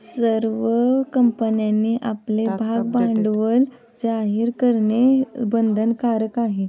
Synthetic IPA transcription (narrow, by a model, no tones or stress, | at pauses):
səɾʋəkəmpənjanːiːʔaplebʱaɡ̚bãɳɖʋəl | d͡zaɦiɾkəɾɳebənd̪ʱənkaɾəkaɦe